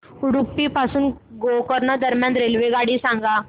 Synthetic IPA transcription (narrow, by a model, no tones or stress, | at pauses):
uɽupːipasuːnɡokəɾnad̪əɾmjãnɾelʋeɡaɽiːsãŋɡa